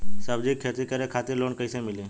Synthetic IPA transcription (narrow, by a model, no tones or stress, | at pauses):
səbd͡ʑikʰːet̪ikəɾekʰat̪iɾloɳkəjsẽmile